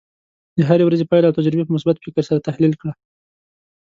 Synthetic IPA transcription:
d̪əɦaɾewɾazepɑjlawt̪ad͡ʒɾɪbepəmʊsbat̪fɪkəɾsaɾat̪ahlilkɽa

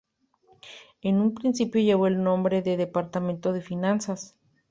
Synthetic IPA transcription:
enumpɾinsipjoʝeβoelnõmbɾeðeðepaɾt̪amẽnt̪oðefinansas

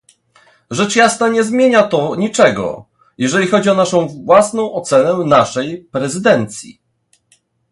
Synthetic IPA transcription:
ʐɛt͡ʂjasnaɲɛzmʲjeɲat̪ɔɲit͡ʂɛɡɔ̰ | jɛʐɛlʲixɔd͡ʑiɔnaʂɔ̃w̃vwasnɔ̃w̃ɔt̪sɛnɛnaʂɛjpɾɛzɘd̪ɛnt̪sʲjḭ

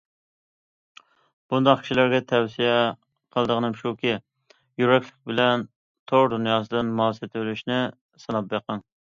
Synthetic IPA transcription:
b̥und̪ɑχkʲʰi̥ʃilæɾɡʲɛt̪ʰɛwsijɛ | qʰəlˠd̪əʁənɨmʃukʲi | jyɾɛkʲlɪ̥k̚ʲbɪlɛn | t̪ʰoʁd̪unjɑːsɨd̪ɨnmuɑsɨt̪ʰølyʃnɪ | sɨnɑp̚beqəŋ

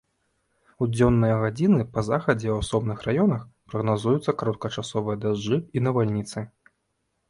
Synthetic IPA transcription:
ud͡zʲɔnːɨjɐɣad͡zʲinɨpɐzaxɐd͡zʲɛwasɔbnɨxrajɔnɐxpɾɐɣnazujut̪sːɐkaɾɔt̪̚kɐt͡ʂasɔvɨjɐd̪aʐd͡ʐɨinɐvalʲnʲit̪sɨ

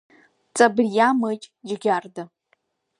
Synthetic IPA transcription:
t͡sʼabrjamɨt͡ʃʼd͡ʒɡʲarda

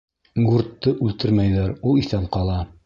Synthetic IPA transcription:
ɡuɾt̪ːɤʔʉlt̪ɘɾmæjðæɾulˠiθænqɑlˠɑ

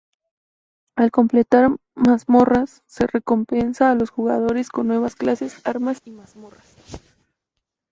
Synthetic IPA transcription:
alko̞mple̞t̪aɾ | mazmo̞rasːe̞re̞ko̞mpe̞nsaːlo̞sxuɣað̞o̞ɾe̞sko̞nːwe̞βasklase̞saɾmasimazmo̞ras

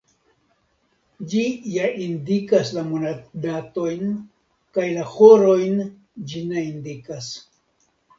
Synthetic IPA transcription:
d͡ʒijaindikaslamonadato̞jn | kajlahoɾo̞jn | d͡ʒinaind̪ikas

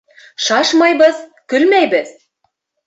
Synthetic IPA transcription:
ʃɑʃmɑjbɤzkɵlmæjbɘ̆ð̥

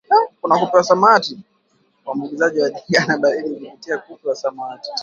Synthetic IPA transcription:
nakunakupiwasamati | wamiɡizaʄiwaɗiŋɡanaɓailikupitiakupɛwasamati̥

